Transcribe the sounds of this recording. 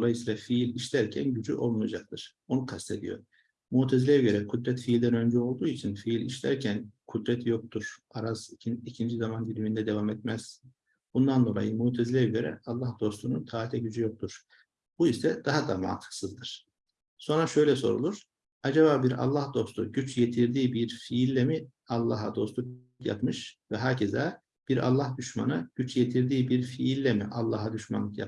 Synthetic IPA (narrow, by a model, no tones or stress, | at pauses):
d̪olˠajɯsiːlˠafiilʲiʃlʲæɾcʰænɟyd͡ʒyʔo̞lˠnujad͡ʒak̚t̪ʰɯɾ̥ | o̞nukʰast̪ʰe̞d̪ḭjo̞̰ɾ | muːt̪ʰezilʲɛjɛɟø̞ɾɛkʰud̪ɾɛt̪fiːlʲd̪ænø̞nd͡ʒɛo̞lˠd̪uːit͡ʃʰinfiilʲḭʃlʲæ̰ɾcʰænkʰud̪ɾɛt̪ʰjo̞k̚t̪ʰuɾ̥aɾazicʰind͡ʒizamanɟilʲimind̪ɛd̪e̞vamɛt̪mæz̥ | b̥und̪and̪o̞lˠa̰jɯmuːt̪ʰɛzilʲɛjɛɟø̞ɾɛ̰ɑlˠːahd̪o̞st̪ununt̪ʰaːt̪ʰɛɟyd͡ʒyjo̞k̚t̪ʰuɾ̥ | b̥uisɛd̪̥aɦad̪ama̰ːnt̪ʰɯ̥ksɯzd̪ɯɾ̥ | so̞nɾaʃø̞jlʲɛso̞ɾṵlˠuɾ̥ | ad͡ʒaβaːbiɾɑ̰lˠːahd̪o̞st̪ʰṵɟyt͡ʃʰjet̪ʰiɾd̪iːbiɾfiilʲːemi | ɑlˠːa̰ɦa̰d̪o̞st̪ˠuk | kja̰pmɯʃvɛɦaːcʰezæː | b̥iɾa̰lˠːahd̪yʃma̰nɯɟ̥yt͡ʃʰjet̪ʰiɾd̪iːbiɾfiːlʲːemiʔɑlˠːaɦad̪yʃma̰nlˠɯkja̰p